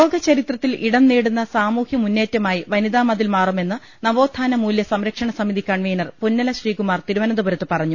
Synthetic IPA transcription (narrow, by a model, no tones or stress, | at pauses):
oːɡɐt͡ɕɐɾit̪rɐt̪ːiliɽɐmneːɽunːɐsaːmuːhjɐmunːeːtːɐmaːjiʋɐniðaːmɐd̪ilmaːrume̞nːɨ | nɐʋo̞ːd̪ʱːaːnɐmuːljɐsɐmɾɐkʂɐɳɐsɐmiðikɐɳʋeːnɐrpunːɐlɐɕriːkumaːrt̪iɾuʋɐnɐd̪ubɐɾɐt̪ːɨpɐrɐɲːu